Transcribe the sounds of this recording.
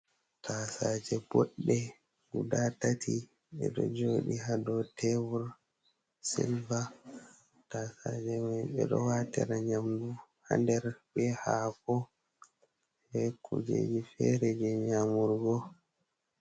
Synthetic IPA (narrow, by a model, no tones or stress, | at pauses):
tasad͡ʒɛbɔɗːɛ | ɡudatatʰi | ɓɛ̰ɗɔ̰d͡ʒoːɗiɦadɔtʰɛvuɾ | silva | tasad͡ʒɛmɛɓɛ̰ɗɔwatɛ̰ɾaɲamduha̰ndɛɾbɛhakɔ | hɛkʰud͡ʒḛd͡ʒifɛɾɛd͡ʒɛɲamuɾɡɔ